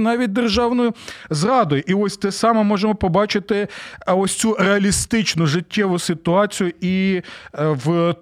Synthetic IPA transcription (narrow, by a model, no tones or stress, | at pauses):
nɑʋʲit̚ʲd̪erʒɑwnɔjʊzrɑd̪ɔjʊʔiɔsʲt̪ɛsɑmɛmɔʒemɔpɔbɑt͡ʃɪt̪ɪɔsʲt͡sʲureɐlʲist̪ɪt͡ʃnʊʒɪtʲːɛʋʊsɪt̪ʊɑt͡sʲijʊi | w